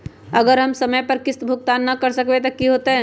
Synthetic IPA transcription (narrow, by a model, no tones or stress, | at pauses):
ɐɡəɾɦɐmsɐməjpɐɾkɪst̪bʱʊk̚t̪aːnːɐkɐɾsɐkʋet̪ɐkːiɦoːt̪eɦɛ̃ː